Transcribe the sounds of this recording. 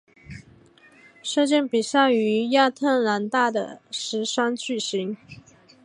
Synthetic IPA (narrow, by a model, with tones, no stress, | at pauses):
ʂɤ˥˧t͡ɕjɛ˥˩npi˨˩ɕja˥˩y˧˥ja˥˧t̪ʰə˥˩nla˧˥nt̪a˥˩d̪ə̰˩ʂɻ̩˧˥ʂa˥nt͡ɕy˥˩ɕi˧˥ŋ